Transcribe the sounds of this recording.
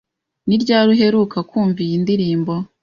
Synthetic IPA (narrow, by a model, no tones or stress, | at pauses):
niɾɟaːɾuɦe̞ɾukakuːɱvijindiɾiːmbo̞